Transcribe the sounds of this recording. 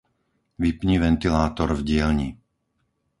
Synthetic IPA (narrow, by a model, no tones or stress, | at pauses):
ʋipɲiʋɛnt̪ilaːt̪ɔɾvɟɪɛlɲi